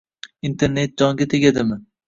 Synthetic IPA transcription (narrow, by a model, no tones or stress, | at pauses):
int̪ʰeɾnet̪̚d͡ʒɒŋɡʲat̪ʰeɡʲad̪ɪmɪ